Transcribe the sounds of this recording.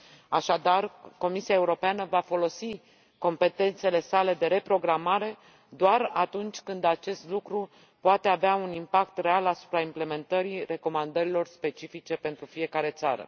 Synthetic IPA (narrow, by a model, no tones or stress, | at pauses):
aʃad̪arko̞misiaeuɾo̞peanəvafo̞lo̞si | ko̞mpe̞t̪e̞nt̪se̞le̞sale̞d̪e̞ɾe̞pɾo̞ɡɾamaɾe̞ | d̪oarat̪unt͡ʃʲkɨnd̪at͡ʃe̞st̪lukɾu | poat̪e̞aveaunimpakt̪re̞alasu̥pɾaimple̞me̞nt̪əɾire̞ko̞mand̪əɾilo̞rspe̞t͡ʃifit͡ʃe̞pe̞nt̪ɾufije̞kaɾe̞t̪saɾə̰